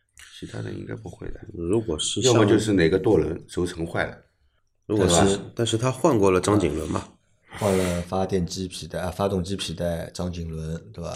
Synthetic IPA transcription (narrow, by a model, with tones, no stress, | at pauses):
t͡ɕʰi˧˥t̪ʰa̰˥d̪ə̰˧ḭ˥ŋɡa̰˥ɪpu˥˩xwe˥˩ɪd̪ə̰˨ɻu˧˥kwɔ˨˩ʂɻ̩˥˧jo˥˩mə˨˩t͡ɕjo˥˧ʊʂɻ̩˥˩ne˨˩ɡə˦t̪wɔ˥˩lwə̰˧˥nʂo˧˥ʊt͡sʰɤ˧˥ŋxwa˥˩ɪlə̰˩ | ɻu˧˥tkɔ˨˥˩ba˧˥t̪a˥˧nʂɻ̩˥˩t̪ʰa˥xwa˥˧nkwɔ˥˩lə˩ʈ͡ʂɑ˥ŋt͡ɕḭ˨˩ŋlwə˧˥nmɐ̰˨ | xwa˥˩nlə˩fa˥t̪jɛ˥˩nt͡ɕi˥pʰi˨˩t̪a˥˩˧fa˥t̪ʊ˥˩ŋt͡ɕi˥pʰi˨˩t̪a˥˩ɪʈ͡ʂɑ˥ŋt͡ɕi˨˩ŋlwə˧˥nt̪we˥˩ba̰˧˩